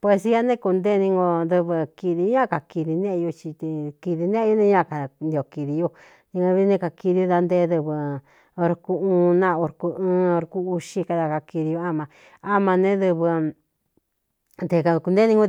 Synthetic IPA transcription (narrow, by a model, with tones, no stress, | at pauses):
pwe˧si˧ja˦nẽ˦ku˧nd̪e˦˧nĩ˧ŋɡo˧ðɨ˧βɨ˧ki˧ði˧˦ɲã˦ka˨ki˧ði˧nẽ˦ʔu˧t͡ʃi˧t̪i˧ki˧ði˧nẽ˦˧jo˦nẽ˧ɲã˦˨ka˨nd̪i˧o˨ki˧ði˧jo˧ | nĩ˧ã˧βi˧˦nẽ˧ka˨ki˧ði˧o˧ða˧nd̪e˧˦ðɨ˧βɨ˧ | o˧ɾku˧ũː˧˦nã˦˧o˧ɾku˧ɨ̃ː˦˧˦o˧ɾku˧u˧ʃi˧ka˧ða˧ka˧ki˧ði˧jo˧a˦mã˧ | a˦mã˧nẽ˦ðɨ˧βɨ˧ | nd̪e˨ka˧ku˧nd̪e˦nĩ˧ŋɡo˧